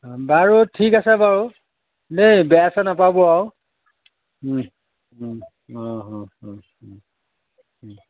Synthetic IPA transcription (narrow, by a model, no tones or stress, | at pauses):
baɹutʰikasɛbaɹu | nejbɛasanapabɔaw | ɔ̃ɦɔ̃ɔ̃